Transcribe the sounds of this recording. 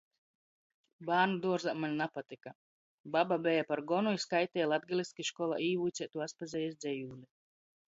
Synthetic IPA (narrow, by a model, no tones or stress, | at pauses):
baːnud̪uɔɾzamalʲnapat̪ika | bababʲɛjapaɾɡɔnujskajt̪ʲɛjlˠad̪̚ɡʲilʲˠiskʲiʃkɔlˠa̰ʔiːvujt̪sʲɛt̪uaspazʲɛjɛsd̪zʲɛjuːlʲi